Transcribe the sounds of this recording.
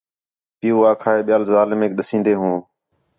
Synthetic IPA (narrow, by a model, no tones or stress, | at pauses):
pɪjuːaːkʰaːeːɓɪjaːlzaːlɪmeːkɗəsĩːnd̪eːɦũː